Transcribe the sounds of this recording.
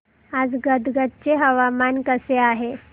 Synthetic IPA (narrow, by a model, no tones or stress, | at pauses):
ad͡zɡəd̪ɡət̪̚t͡ɕeɦəʋamankəseaɦe